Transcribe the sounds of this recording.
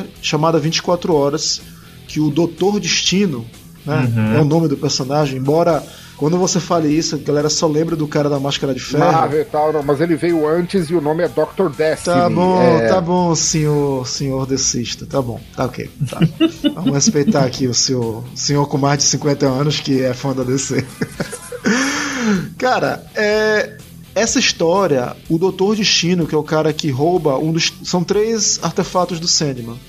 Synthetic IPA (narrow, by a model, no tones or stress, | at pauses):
ʃɐ̃mad̪ɐvĩt͡ʃɪ̥kwat̪ɾʊɔɾɐs | kɪʊd̪ot̪oɾd͡ʒiʃt͡ʃĩnʊ | nɛɛʊnõmɪd̪ʊpeɾsõnaʒẽj̃ẽbɔɾɐ | kwɐ̃nd̪ʊvosefalɐisʊɡalɛɾɐsɔlẽbɾɐd̪ʊkaɾɐd̪ɐmaʃkɐɾɐd͡ʒɪfɛvet̪awnɐ̃w̃mɐzelɪvejʊɐ̃t͡ʃɪzɪʊnõmɪɛd̪ɔk̚t̪oɾd̪ɛst̪abõt̪abõsẽɲoɾsẽɲoɾd̪esiʃt̪ɐt̪abõ̰t̪aokḛjt̪a̰vɐ̃mʊhespejt̪aakiʊseowsẽɲoɾkõmajzd͡ʒɪsĩŋkwẽnt̪ɐɐ̃nʊskɪɛfɐ̃d̪ɐd̪ese | kaɾɐ̰ɛ | ɛsɐiʃt̪ɔɾiɐ̰ʊd̪owt̪oɾd͡ʒɪʃĩnʊkɪɛʊkaɾɐkɪɦowbɐũd̪ʊʃsɐ̃w̃t̪ɾeza̰ɾt̪efat̪ʊzd̪ʊsẽd̪imɐ̃